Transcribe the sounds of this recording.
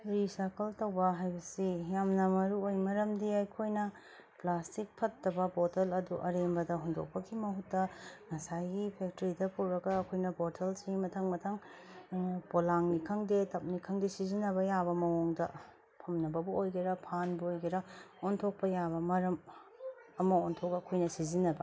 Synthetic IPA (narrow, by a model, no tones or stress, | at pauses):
ɾisakʰɐltɐwbɐɦajbɐsijamnɐmɐɾuojmɐɾɐmdiɐjkʰojnɐ | plastik̚pʰɐtːɐbɐpotɐlɐduʔɐɾembɐdɐɦondo̰k̚pɐkʰimɐɦutːɐŋɐsajɡipʰek̚tɐɾidɐpʰɐwɾɐɡɐːkʰojnɐbotʰɐlsimɐtʰɐŋmɐtʰɐŋ | polaŋnikʰɐŋdetɐp̚nikʰɐŋdisizinɐbɐjabɐmɐoŋdɐ | pʰɐmnɐbɐbuojɡiɾɐpʰanbuojɡɐɾɐontʰok̚pɐjaβɐmɐɾɐm | ɐmɐontʰokɐkʰojnɐsizinɐbɐ